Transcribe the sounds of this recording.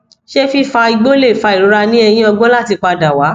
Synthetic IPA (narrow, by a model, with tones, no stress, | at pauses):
ʃe˦fi˦fa˧i˧ɡ͡bo˦le˦˨fa˧i˨ɾo˨˦ɾa˧nĩ˦ɛ˧j̃ĩ˦ɔ˧ɡ͡bɔ̃˦la˦˨ti˧k͡pa˧da˨wa˨˦